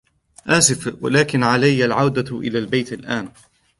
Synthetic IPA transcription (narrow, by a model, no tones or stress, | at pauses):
ʔaːsɪfwa̰laːkɪnʕalajːalʕawd̪aʔɪ̰laːlbajt̪alʔaːn